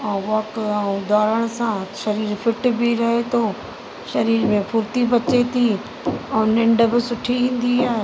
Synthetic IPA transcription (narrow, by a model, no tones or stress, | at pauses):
ɛ̃ːʋɔːkɛ̃ːʊd̪ʱaːɾəɽ̃ʊsãʃɐɾiːɾfɪʈbɪɾɐɦet̪ʰoː | ʃɐɾiːɾmẽpʰʊɾt̪ibɐt͡ɕet̪ʰi | ɛ̃ːnɪ̃ɳɖə̆bɪsʊʈʰiʋĩːn̆d̪iaːɦe